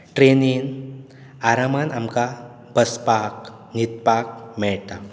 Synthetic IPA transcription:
ʈɾenin | aɾamanamka | bəspak | nit̪̚pak̚mɛɭt̪a

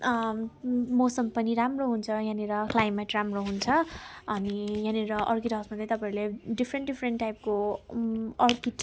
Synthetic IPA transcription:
mosʌmpʌniɾamroɦunt͡sʰʌɦjãneɾʌklajmaʈramroɦunt͡sʰʌʌniɦãneɾʌʔʌrkiʈʌɦsmad̪ajt̪ʌpãĩleɖipʰɾeɳʈɖipʰreɳʈːajp̚ko | ʌrkiʈ

